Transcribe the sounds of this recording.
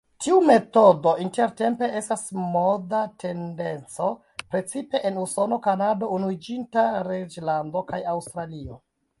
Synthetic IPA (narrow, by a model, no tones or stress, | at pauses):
tʰiume̞to̞do̞ʔinte̞ɾte̞mpe̞e̞stasmodatʰe̞nde̞nt͡so̞ | pɾe̞t͡sipe̞ʔenuso̞no̞kanado̞unuid͡ʒintaɾed͡ʒlando̞kajawstɾalio̞